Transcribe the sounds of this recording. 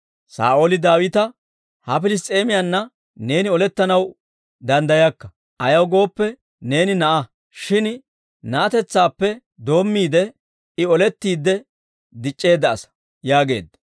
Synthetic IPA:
sa̰ːʔolɪd̪aːwɪt̪ɐ | hɐpɪlɪs̬t̪ʼːe̞ːmɪjanːɐ | ne̞ːnɪɔlɛt̪ːɐnɐw | d̪ɐnd̪ɐjɐkːɐ | ʔɐjɐwɡo̞ːpːɛ | ne̞ːnɪnɐʔɐ | ʃɪn | nɐːt̪ɛt͡sːaːpːɛ | d̪o̞ːmːiːd̪ɛ | ɪɔlɛt̪ːiːd̪ːɛ | d̪ɪt͡ʃʼːe̞ːd̪ːɐːsɐ̥ | jaːɡe̞̰ːd̪ːɐ

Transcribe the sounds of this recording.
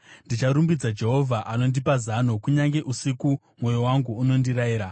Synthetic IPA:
ndit͡ʃaɾumbid͡zad͡ʒe̞ɦo̞vʱaʔano̞ndipazanokuɲaŋɡe̞ʔusiku | mwo̞jowaŋɡuːno̞ndiɾaiːɾa

